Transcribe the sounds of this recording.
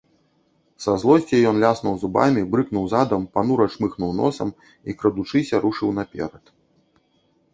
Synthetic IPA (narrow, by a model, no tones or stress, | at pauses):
sazlˠɔsʲt͡sʲɛjɔnlʲasnuwzuba̰mʲibɾɨknuwzad̪ɐmpanuɾɐt͡ʂmɨxnuwnɔ̰sɐm | ikɾɐd̪ut͡ʂɨsʲɐɾuʂɨwnɐpʲɛ̰ɾɐt̪